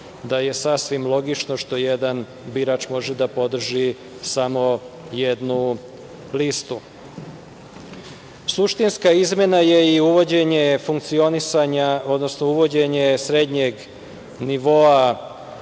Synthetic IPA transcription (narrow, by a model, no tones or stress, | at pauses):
d̪aje̞sasʋimlˠo̞ɡit͡ʃno̞ʃt̪o̞jed̪an | biɾaːt͡ʃmo̞ʒed̪apo̞d̪r̩ʒi | samo̞jed̪nu | list̪u | suʃt̪inskaizmʲje̞naje̞iuʋo̞d͡ʑe̞ɲe̞fuŋkt̪sio̞nisaɲao̞d̪nosnouʋo̞d͡ʑe̞ɲe̞sɾe̞d̪ɲe̞ɡ | niʋo̞a